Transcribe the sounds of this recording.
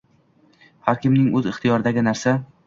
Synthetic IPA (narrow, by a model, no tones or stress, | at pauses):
haɾkʲɪmnɪŋɵzɪχt̪ɪjɒɾɪd̪aɡʲɪnaɾsa